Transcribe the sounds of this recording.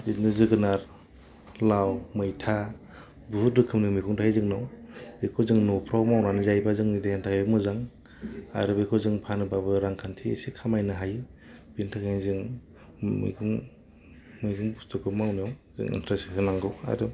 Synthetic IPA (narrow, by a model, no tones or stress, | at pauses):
inɯzɯɡɯnaɾ | lawmɯjtʰa | buɦuɾɯkʰɯmnɯmikʰuŋtʰajzɯŋnawbekʰɔzɯŋnɔpʰɾawmawnanɯzajbazɯŋnidajantʰakʰajbɯmɯzaŋ | a̰ɾɯbekʰɔzɯŋpʰanɯbabɯɾaŋkʰantʰḭsikʰamajnɯɦajb̥intʰakajzɯŋ | mḭkʰuŋ | mɯjɡʰuŋbustɯkʰɯmawnijawzɯ̰ŋḭntʰɾasihɯnaŋɡɯwa̰ɾɯ